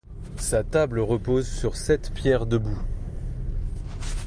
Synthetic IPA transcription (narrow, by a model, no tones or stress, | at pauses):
sat̪abləʁəpozsyʁsɛt̪pjɛʁd̪əbu